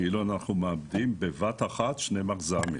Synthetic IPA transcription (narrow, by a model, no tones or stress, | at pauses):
iluanaχnumeamd̪imbevat̪aχat̪ʃnemaχzamḭ